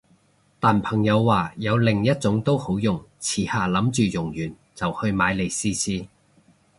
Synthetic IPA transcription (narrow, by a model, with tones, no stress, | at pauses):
t̪aː˨npʰɐ˨˩ŋjɐ˨˧wːaː˨jɐ˨˧wlɪ˨˩ŋjɐ˥t̚t͡sʊ˨˥ŋt̪o˥who˨˥wjʊ˨˩ŋt͡sʰiː˨˩haː˨˩lɐ˨˥mt͡ʃyː˨jʊ˨˩ŋjyː˨˩n | t͡sɐ˨whɵ˧ɥmaː˨˧jle˨jsiː˥siː˥